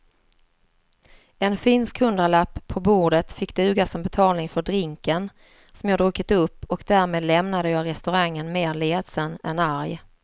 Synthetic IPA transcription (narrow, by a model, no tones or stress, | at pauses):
ɛnfɪnskhɵnd̪əɭapːʰɔbuːɖət̪fɪkːd̪ɛʉːɡasɔmbɛt̪ʰɑːlnɪŋfœɖɾɪŋkən | sɔmjɑːd̪ɾɵːkɪt̪ɵpːɔkd̪æːɾmeːd̪lɛmnad̪əjɑːɡɾɛst̪ɵɾaŋːənmeːɾleːd̪sənɛ̰naɾj